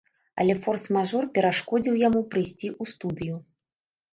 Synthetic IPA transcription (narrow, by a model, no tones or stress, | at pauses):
ɐ̰lʲɛfɔrsmaʐɔrpʲɛɾaʂkɔd͡zʲiwjamupɾɨjsʲt͡sʲiʔust̪ud̪ɨju